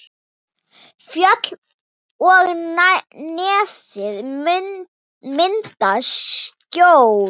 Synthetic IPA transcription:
fjœt̪l | ɔɣnnɛːsɪð | mɪnt̪ascow

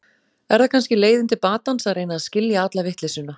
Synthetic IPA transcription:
ɛɾθakʰanscɪleːjðɪnt̪ɪpaːt̪ansaðɾrejnaːðscɪljaat̪lavɪht̪lesʏna

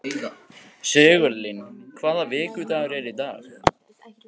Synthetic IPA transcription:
seːɣœlːɪnkʰvaːðavɪːcʏt̪aɾɛɾit̪aːɣ

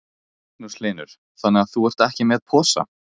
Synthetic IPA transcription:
knuslɪːnʏɾ̥ | θanːɛaθuɛr̥t̪ɛhcɪmɛðpʰɔːsa̰

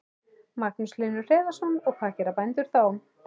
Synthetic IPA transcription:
maknʏslɪnːʏ̥r̥ɛːðasɔnɔɣpʰaːcɛɾapajnt̪ʏɾ̥θawm

